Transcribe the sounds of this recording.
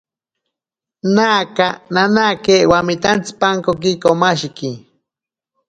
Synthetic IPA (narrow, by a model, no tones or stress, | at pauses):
naːkananakeʔwamit̪ant͡si̥paŋkok̬ikomaʃiki